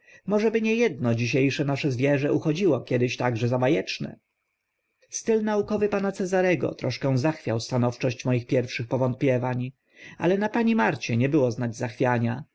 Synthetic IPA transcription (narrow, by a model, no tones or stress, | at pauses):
mɔʐɛbɘɲɛjɛd̪̚nɔd͡ʑiɕ̬ejʂɛnaʂɛzvʲjɛʐɛʔuxɔd͡ʑiwɔkʲjɛd̪ɘɕt̪aɡʐɛzabajɛt͡ʂnɛ̰ | st̪ɘlnaukɔvɘpanat̪sɛzaɾɛɡɔ̰t̪ɾɔʂkɛw̃zaxfʲjawst̪anɔft͡ʂɔɕt͡ɕmɔjixpʲjɛɾfʂɘxpɔvɔnt̪̚pʲjɛvaɲ | a̰lɛnapaɲimaɾt͡ɕɛɲɛbɘwɔznad͡ʑzaxfʲjaɲa